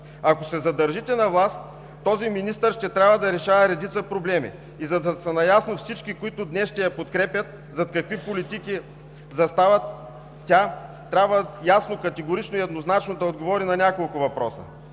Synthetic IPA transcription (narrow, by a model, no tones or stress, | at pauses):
ɐkosɛzɐd̪ɐɾʒit̪ɛnɐvlˠast̪ː | ɔziminist̪əɾʃt̪ɛt̪ɾʲabvəd̪ɐɾɛʃavɛɾɛd̪it̪səpɾoblɛmḭ | izɐd̪ɐsɐnɐjasnofsit͡ʃkikoit̪ʊd̪nɛsʃt̪ɛjɐpot̪kɾɛpʲjɐt̪ | zɐt̪kɐkvipolit̪iki | zɐst̪avɐ | tʲːa | t̪ɾʲabvəjasnokɐt̪ɛɡoɾit͡ʃnoiɛd̪noznat͡ʃnod̪ɐod̪ɡovɔɾinɐnʲakolˠkʊvɐpɾɔsə̰